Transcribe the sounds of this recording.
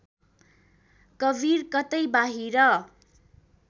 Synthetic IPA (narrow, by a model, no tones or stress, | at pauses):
kʌbʱirkʌt̪ʌjbaɦiɾʌ